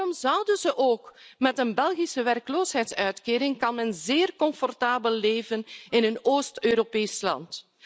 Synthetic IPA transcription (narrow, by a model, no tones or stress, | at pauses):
arɔmzʌwdənzəʔoːkmɛtənbɛlˠɣisəʋɛrkloːsɦɛjtsœɥtkeːɾɪŋkɑnmɛnzeːrkɔɱfɔrtaːbəlːeːvənɪnənoːstøːɾopeːslɑ̰nt